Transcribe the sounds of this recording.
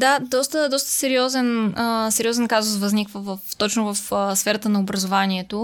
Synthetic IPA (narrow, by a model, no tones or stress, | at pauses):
d̪ad̪ɔst̪əd̪ɔst̪ə̥sɛɾiɔzɛnəsɛɾiɔzɛnkazʊsvɐznikvəvəft̪ɔt͡ʃnʊvəfsfɛɾət̪ənɐobɾɐzovaniɛt̪o